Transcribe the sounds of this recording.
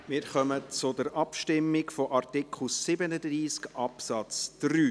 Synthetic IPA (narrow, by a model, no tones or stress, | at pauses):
mɪɾχœmət͡sʊdəɾʔɑpʃtɪmːɪkfɔʔɑrtɪkʰχl̩sɪbənəd̪riːskʔɑpsɑt͡sd̥ryː